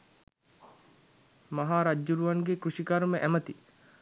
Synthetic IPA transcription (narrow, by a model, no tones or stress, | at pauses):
maɦaːɾad͡ʒːuɾuʋanɡekɾuʂikaɾməʔæmət̪i